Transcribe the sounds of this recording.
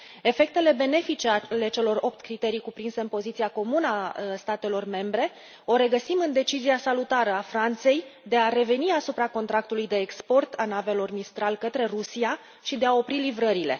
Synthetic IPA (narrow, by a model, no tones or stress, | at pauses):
e̞fe̞k̚t̪e̞le̞be̞ne̞fit͡ʃeale̞t͡ʃe̞lo̞ɾo̞p̚t̪kɾit̪e̞ɾijkupɾinse̞ɨnpo̞zit̪sijako̞munəast̪at̪e̞lo̞rme̞mbɾe̞ | o̞ɾe̞ɡəsimɨnd̪e̞t͡ʃiziasalut̪aɾəafɾant̪se̞jd̪e̞aɾe̞ve̞niasupɾako̞nt̪ɾak̚t̪ulujd̪e̞ːkspo̞rt̪anave̞lo̞rmist̪ɾalkət̪ɾe̞rusia | ʃid̪e̞ao̞pɾilivɾəɾile̞